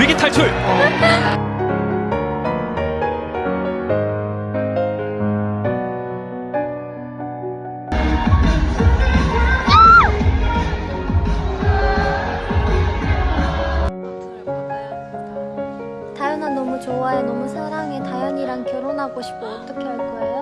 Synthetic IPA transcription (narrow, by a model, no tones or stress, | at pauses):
ɥiɡitʰaɭt͡ɕʰuɭ | tajʌnanːʌmut͡ɕowaenʌmusʰaɾaŋetajʌɲiɾaŋkjʌɾonɦaɡoɕʰi̥p̚k͈ʰoʌt͈ʌkʰe̞ʌɡoejo